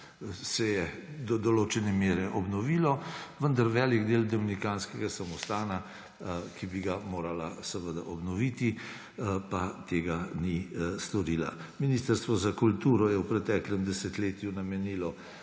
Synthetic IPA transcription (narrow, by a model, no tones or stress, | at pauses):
sɛjɛd̪ɔd̪ɔloːt͡ʃɛnɛmeːɾɛʔɔbnɔʋiːlɔʋənd̪aɾʋɛːliɡd̪eːld̪ɔminikanskɛɡasamɔst̪aːna | kibiɡamoːɾalasɛʋəd̪aʔɔbnɔʋiːt̪i | pat̪eːɡanist̪ɔɾiːla̰minist̪əɾst̪ʋɔzakult̪uːɾɔjɛwpɾɛt̪ɛːklɛmd̪ɛsɛt̪leːt̪junamɛniːlɔ